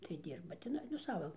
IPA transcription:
tɐɪ ˈdʲiːrbɐ tʲɪˈnɐɪ nʊ ˈsɑːʋɐ

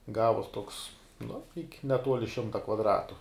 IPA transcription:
ˈɡɑːʋuɔs toːks nʊ ɪkʲ nʲɛˈtuɔlʲɪ ˈʃʲɪmtɐ kʋɐdˈrɑːtʊ

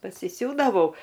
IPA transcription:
pɐsʲɪˈsʲuːdɐʋɐʊ

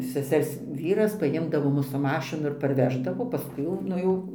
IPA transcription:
sʲɛˈsʲɛrs ˈʋʲiːrɐs pɐˈjɪmdɐʋoː ˈmʊs sʊ ˈmɑːʃʲɪnʊ ɪr pɐrʲˈʋʲæːʒdɐʋoː pɐˈskʊɪ jɛʊ ˈnʊ jɛʊ

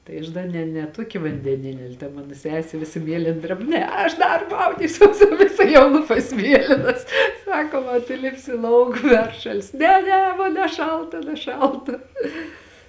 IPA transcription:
tɐɪ ˈɐʃ dɐ ˈnʲɛ nʲɛ ˈtuɔkʲɪ ʋɐnʲdʲɛˈnʲɪnʲɪ ɐlʲ tɐ ˈmɑːnoː ˈsʲæːsʲeː ˈʋʲɪsɐ ˈmʲiɛlʲeːn ˈdʲrʲɛp ˈnʲɛ ˈɐʃ dɐr ˈmɐʊdʲiːsʲuɔs ʋʲɪˈsɐ jɛʊ ˈlˠuːpɐs ˈmʲiɛlʲɪnɐs ˈsɑːkoːm ɐ tʊ ˈlʲɪpʲsʲɪ ˈlˠɐʊk ˈpʲɛrʃɐlʲsʲɪ ˈnʲɛ ˈnʲɛ ˈmoːn nʲɛˈʃɐlˠtɐ nʲɛˈʃɐlˠtɐ

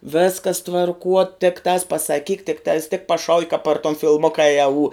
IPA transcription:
ˈʋʲeːskɐs tʋɐrˈkuɔ tʲɪkˈtɑːs pɐsɐˈkʲiːk tʲɪkˈtɑːs tʲɪk pɐˈʃɐʊkʲɪ kɐp pɐr toːn fʲɪˈlˠmoːkɐ ɪ ɐuː

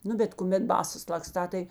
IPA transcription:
ˈnʊ bʲɛt kʊˈmʲɛt ˈbɑːsɐs lˠɐkˈstɑː tɐɪ

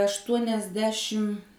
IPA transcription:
ɐʃtuɔnʲɛzʲˈdʲæːʃʲɪm

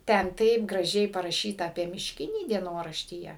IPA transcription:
ˈtʲɛn ˈtɐɪp ɡrɐˈʒʲɛɪ pɐrɐˈʃʲiːtɐ ɐpʲiɛ mʲɪʃʲˈkʲɪnʲiː dʲiɛˈnoːrɐʃʲtʲiːjɛ

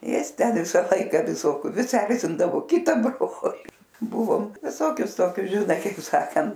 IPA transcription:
ˈjɪs ˈtʲɛn ˈʋʲɪsɐ ˈlˠɐɪkɐ ʋʲɪˈsoːkʲʊ ˈʋʲɪs ˈɛrʲzʲɪndɐʋoː ˈkʲɪtɐ ˈbroːlʲɪ ˈbʊʋoːm ʋʲɪˈsoːkʲʊs ˈtoːkʲʊs ʒʲɪˈnɐɪ kɐɪp ˈsɑːkɐnt

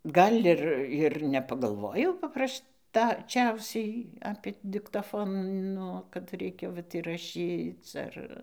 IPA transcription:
ˈɡɐlʲ ˈɪr ɪr nʲɛpɐɡɐlˠˈʋoːjɛʊ pɐˈprɐʃ tɐˈt͡ʃʲɛʊsʲɛɪ ɐpʲeː dʲɪktɐˈfoːnoː kɐt ˈrʲɛɪkʲɛ ˈʋɐt ɪrɐˈʃʲiːt͡s ˈɐr

